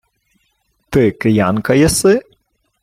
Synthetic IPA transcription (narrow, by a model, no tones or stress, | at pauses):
t̪ɨkɨjankɐjɐsɨ